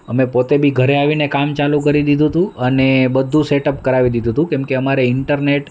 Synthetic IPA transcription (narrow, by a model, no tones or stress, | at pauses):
əmepot̪ebʱiɡʱəɾeaʋinekamt͡ʃalukəɾid̪id̪ʱũt̪ũənebəd̪ʱːũseʈəpkəɾaʋid̪id̪ʱũt̪ũkɛmkeəmaɾeɪɳʈəɾneʈ